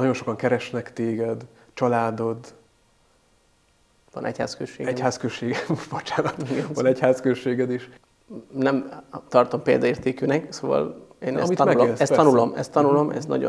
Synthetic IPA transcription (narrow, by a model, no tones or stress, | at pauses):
nɒɟo̞nʃo̞kɒŋkɛɾɛʃnɛkt̪eːɡɛd̪ | t͡ʃɒlaːd̪o̞d̪ | vɒ̰nɛ̰cha̰ːskøʃːeːɡɛchaːskøʃːeːɡɛbot͡ʃaːnɒt̪iɡɛnvɒnɛchaːskøʃeːɡɛd̪iʃ | nɛmt̪ɒrt̪o̞mpeːld̪ɒeːrt̪eːkynɛksoːvɒ̰leːnɛsmit̪mɛlsɛst̪ːɒnulo̞mɛst̪ːɒnulo̞mʔɛ̰znɒ̰ɟo̰